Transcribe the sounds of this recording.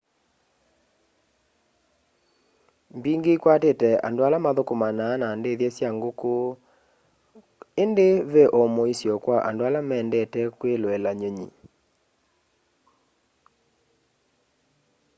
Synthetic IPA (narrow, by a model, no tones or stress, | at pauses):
mbiŋɡeikwatetɛa̰ndoalamaðokomanaːnandeðjɛsjaŋɡoko | endeβeʔɔmɔisjɔkwaʔa̰ndoalamɛːndɛtɛkweloɛlaɲoɲḭ